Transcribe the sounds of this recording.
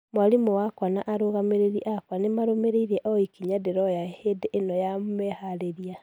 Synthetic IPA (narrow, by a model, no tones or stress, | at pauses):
mwalimowakwanaʔaɾoɣameɾeɾiʔakwanemaɾomeɾeiɾɛʔɔikiɲadeɾɔjahedeʔːnɔjammɛhaɾeɾia